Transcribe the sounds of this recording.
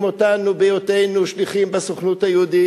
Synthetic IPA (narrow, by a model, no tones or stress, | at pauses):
mot̪anubejot̪ejnuʃliχimbasoχnut̪hajud̪i